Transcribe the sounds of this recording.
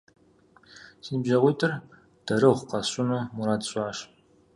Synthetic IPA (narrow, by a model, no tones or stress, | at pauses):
sinbʒɐʁʷiːtʰɨr | d̥ɐɾɨʁʷqɐɕʼʊnuːmuɾaːdɕʼɑːɕ